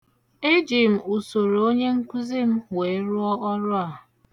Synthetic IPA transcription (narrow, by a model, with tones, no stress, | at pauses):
ɪ˦d͡ʒi˨m̩˨u˨so˨ɾo˨o˦ɲe˦ŋ̩˦kʷu˦zi˦m̩˦we˨˦ɾʊ˦ɔ˦ʔɔ˦ɾʊ˦a˨